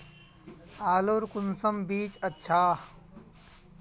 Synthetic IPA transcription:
aːloːɾkʊnsəmbiːt͡ʃɐtːʃʰaː

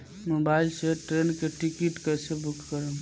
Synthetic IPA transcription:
mobailseʈɾenkeʈikiʈkəjsebukʰkəɾəm

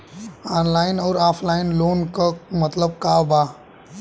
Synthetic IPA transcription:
aːnlaːɪnɔːɾaːpʰlaːɪnloːnkəmɐt̪ləb̚kaːʋbaː

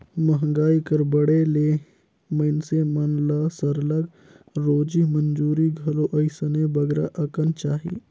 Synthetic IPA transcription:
mɐɦŋɡaːikɐɾbɐɽeleː | mɐɪnsemɐnlaːsɐɾləɡ | ɾoːd͡ʒimɐnd͡ʒuːɾiɡʱɐloʔɐɪsənebɐɡɾa̰ʔɐkənt͡ʃaːɦḭː

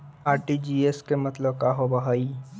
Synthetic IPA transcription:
aːɾʈid͡ʒiːeskemɐt̪ləbkaːɦobɐɦaːi

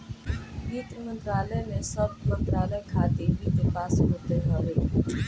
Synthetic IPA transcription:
ɡiːt̪mənt̪ɾaːləːmẽsəbmənt̪ɾaːləkʰaːt̪eɦiːk̪epaːsɦot̪eɦəɾeː

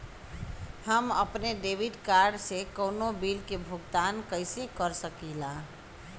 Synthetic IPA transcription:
həmə̰pneɖebiɖkaɾɖsekəwnobilkebʱuɡt̪ankəɪsekəɾsəkila

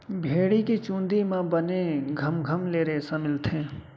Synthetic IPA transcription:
bʱeːɽikit͡ʃũːnd̪imãbəneɡʱəmɡʱəmleːɾeːsamɪlt̪ʰẽː

